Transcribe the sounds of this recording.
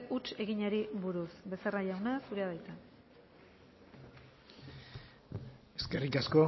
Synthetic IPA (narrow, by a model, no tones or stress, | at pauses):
ut͡ʃe̞ɣiɲaɾiβuɾusbe̞seraʎawnasuɾe̞aðajt̪a | eske̞rikasko̞